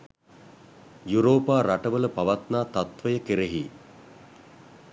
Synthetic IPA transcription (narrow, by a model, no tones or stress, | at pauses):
juɾoːpaːɾaʈəʋələpaʋat̪naːt̪at̪ʋəjəkeɾeɦiː